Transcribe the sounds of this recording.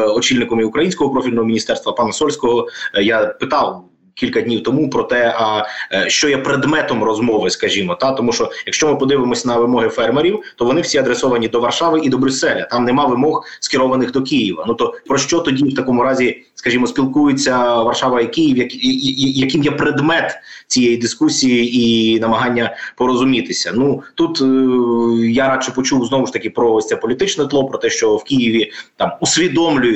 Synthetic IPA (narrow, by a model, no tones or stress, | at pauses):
ɔt͡ʃilʲnɪkɔmiʊkɾɐjinʲsʲkɔɦɔpɾɔfʲilʲnɔɦɔmʲinʲist̪ɛrst̪ʋɐpɑnɐsɔlʲsʲkɔɦɔjapɪt̪ɑw | kʲilʲkɐd̪ʲnʲiwt̪ɔmupɾɔt̪ɛɐʃt͡ʃɔjɛpɾed̪mɛt̪ɔmrɔzmɔʋɪskɐʒʲimɔt̪ɑt̪ɔmuʃɔjɐkʃt͡ʃɔmɪpɔd̪ɪʋɪmɔsʲɐnɐʋɪmɔɦɪfɛrmeɾʲiwt̪ɔʋɔnɪwsʲiɐd̪ɾesɔʋɐnʲid̪ɔʋɐrʃɑʋɪʔid̪ɔbɾʲʊsːɛlʲɐt̪ɑmnɛmɑʋɪmɔxskɪɾɔʋɐnɪxd̪ɔk̬ijiʋɐ̰nut̪ɔpɾɔʃt͡ʃɔt̪ɔdʲiwt̪ɐkɔmʊɾɑzʲi | skɐʒʲimɔsʲpʲilˠkujʊt͡sʲːɐʋɐrʃɑʋɐikijiwjɐkɐjɐkɪmjɛpɾed̪mɛt̪t͡sʲijejid̪ɪskusʲijiinɐmɐɦɑnʲːɐpɔɾɔzʊmʲit̪ɪsʲɐnut̪ut̪ | jaɾɑt͡ʃɪpɔt͡ʃuwznɔʋʊʃt̪ɐkʲɪpɾɔt͡s̪ɛpɔlʲit̪ɪt͡ʃnɛt̪lˠɔpɾɔt̪ɛʃt͡ʃɔwkʲijiʋʲit̪ɑmusʲʋʲid̪ɔmlʲʊjʊ